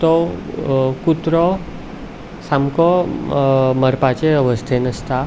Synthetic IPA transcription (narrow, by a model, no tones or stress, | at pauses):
t̪o | kut̪ɾɔ | samkɔ | məɾpat͡ʃeəʋəst̪ʰenəst̪a